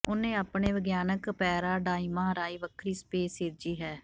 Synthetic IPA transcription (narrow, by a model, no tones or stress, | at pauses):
ʊnẽːaːpɳeːʋəɡjaːnəkpɛːɾaːɖaːiːmaaːɾaːiːʋəkʰɾiːspeːsɪːɾd͡ʒiːɦɛː